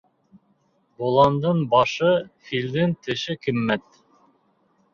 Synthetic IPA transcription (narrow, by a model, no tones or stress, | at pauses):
bolˠɑnd̪ɤɴbɑʃɤfild̪ɘnt̪ɘ̆ʃɘkɘ̆mːæt̪